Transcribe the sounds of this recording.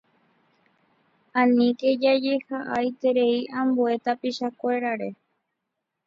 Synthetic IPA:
ãnĩke̞d͡ʒad͡ʒe̞haʔajt̪e̞ɾe̞iʔãmbue̞t̪apiʃakʷe̞ɾaɾe̞

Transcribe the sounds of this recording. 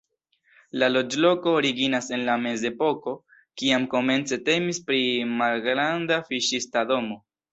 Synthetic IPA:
lalo̞d͡ʒlo̞ko̞ːɾiɡinase̞nlame̞ze̞po̞ko̞ | kiamko̞me̞nt͡se̞te̞mispɾimalɡɾandafiʃistado̞mo̞

